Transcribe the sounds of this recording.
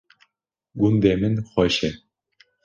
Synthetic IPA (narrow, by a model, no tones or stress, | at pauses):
ɡund̪emɘ̆nχɔɕe